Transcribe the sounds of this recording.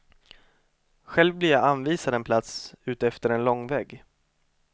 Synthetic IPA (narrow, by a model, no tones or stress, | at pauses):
ɧɛlvblɪɾjaanviːsad̪ɛnpʰlat̪sʉ̟ːt̪ɛft̪əɾɛnlɔŋːvɛːɡ